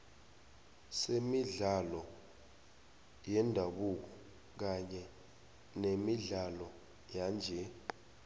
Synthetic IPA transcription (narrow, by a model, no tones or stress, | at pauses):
semiɮalɔ | jɛndʱaɓuk̬ɔ | k̬aɲɛ | nemiɮalɔ | jaːnd͡ʒʱɛ